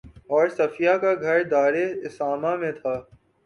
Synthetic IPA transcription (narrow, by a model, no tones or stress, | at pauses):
ɔːɾsɐfijakaɡʱɐɾd̪aːɾeɪsaːmamẽt̪ʰaː